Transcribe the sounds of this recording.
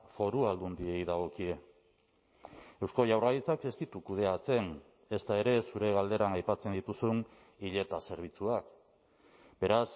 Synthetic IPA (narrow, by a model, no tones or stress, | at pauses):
fo̞ɾuald̪und̪iejðaɣ̞o̞kie̞ | e̞wsko̞ʝawrɣalit͡sake̞st̪it̪ukuð̞e̞at͡se̞n | e̞st̪ae̞ɾe̞suɾe̞ɣald̪e̞ɾanajpat͡se̞nd̪it̪usun | iʎe̞t̪ase̞ɾβ̞it͡suak | b̥e̞ɾas